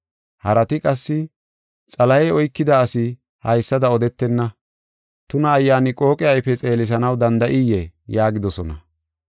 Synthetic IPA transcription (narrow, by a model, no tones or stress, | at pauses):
hɐɾɐt̪ɪkʼɐsːɪ | t͡sʼɐlɐjɛɔjkːɪd̪ɐːsɪ | hɐjsːɐd̪ɐɔd̪ɛt̪ːɛnːɐ | t̪ʊnɐːjːaːnɪkʼo̞ːkʼɪjɐjfɛt͡sʼe̞ːlɪs̬ɐnɐwd̪ɐnd̪ɐʔɪjɛjaːɡɪd̪ɔsɔnɐ̰